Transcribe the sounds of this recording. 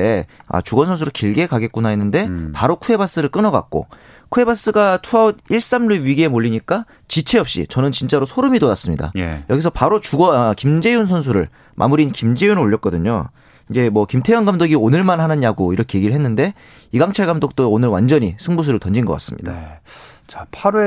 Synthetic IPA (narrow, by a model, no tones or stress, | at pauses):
ea̰t͡ɕuɡʌnsʰʌnsʰuɾɯɭkiɭɡe̞kaɡe̞t̚k͈unaenːɯnde̞paɾokʰue̞bas͈ɯɾɯɭk͈ɯnʌɡa̰k̚k͈o̰ | kʰue̞bas͈ɯɡatʰuaod̚iɭs͈amɾuɥiɡiemoʎːiɲik͈a | t͡ɕit͡ɕʰe̞ʌp̚ɕ͈ḭt͡ɕʌnɯnt͡ɕint͡ɕ͈aɾosʰoɾɯmidodas͈ɯmɲida̰jʌɡis̬ʰʌpaɾot͡ɕuɡʌkimd͡ʑe̞junsʰons̬ʰuɾɯ̰ɭ | mʔa̰muɾinkimd͡ʑe̞junoʎːʌt̚k͈ʌdɯɲo̰ | ind͡ʑe̞mwʌkimtʰejʌnɡamdoɡionɯɭmanhanɯnjaɡoiɾʌkʰe̞je̞ɡiɾɭɦenːɯnde̞ | iɡaŋt͡ɕʰaɭɡamdok̚t͈oonɯɭwa̰nd͡ʑʌɲisʰɯŋbus̬ʰuɾɯɭtʌnd͡ʑinɡʌk͈a̰s͈ɯmɲid̥a̰ | t͡ɕḁpʰaɾe